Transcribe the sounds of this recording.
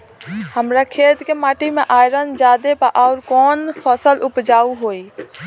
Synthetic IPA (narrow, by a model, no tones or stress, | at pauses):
həmɾakʰeːt̪kemaːʈimẽʔaːjɾənd͡ʒaːd̪epəʔɔːɾkɔːnpʰəsəlʔʊpd͡ʒaːuɦoːi